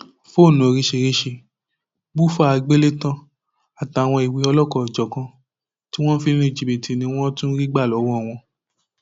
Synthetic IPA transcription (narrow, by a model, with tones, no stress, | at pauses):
fo˦˨nũ˨˧ɾi˧ʃe˧ɾi˧˦ʃe˧ | bu˦fa˦a˨˧ɡ͡be˦le˦tã˦ | a˨ta˨w̃ɔ̃˧i˨wi˧ɔ˧lɔ˦kɔ˦˨d͡ʒɔ˨kã˧ | ti˦w̃ɔ̃˦fi˧nĩ˦nẽ˧˨d͡ʒi˧be˨ti˨nĩ˧˦w̃ɔ̃˦tũ˦ɾi˦ɡ͡ba˦˨lɔ˨˦wɔ̃˦ɔ˦˨w̃ɔ̃˧